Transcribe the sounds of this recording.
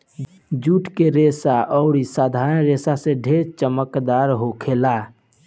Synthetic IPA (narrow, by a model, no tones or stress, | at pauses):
d͡ʒuʈkeɾesaʔɔʊɾisad̪ʱaɾnɾesasẽɖʱeɾt͡ʃəməkd̪aɾɦokʰela